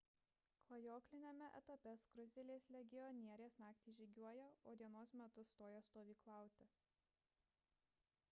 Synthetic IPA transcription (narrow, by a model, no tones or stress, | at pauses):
klˠɐjoːklʲɪnʲeːmʲɛʔɛ̰t̪ɐpʲɛskɾʊzʲd̪ʲɛlʲeːslʲɛɡʲɪɔnʲiɛɾʲeːsnɑːkt̪ʲiːʒʲɪɡʲuɔjɛoːd̪ʲiɛnoːsmʲɛt̪ʊt̪oːjɛst̪oːʋʲiːklˠɑˑʊt̪ʲɪ